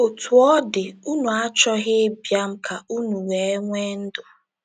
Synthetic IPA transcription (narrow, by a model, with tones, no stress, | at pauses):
o˨tʰu˨ɔ˦dɪ˨u˦nu˨a˦t͡ʃɔ˦ɣɪ˦bja˦m̩˦kʰa˨u˦nu˨we˨e˦ŋʷe˦n̩˦dʊ˨